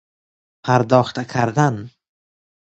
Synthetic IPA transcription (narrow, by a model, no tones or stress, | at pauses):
pʰaɾd̪ɒχt̪ʰakʲʰaɾd̪an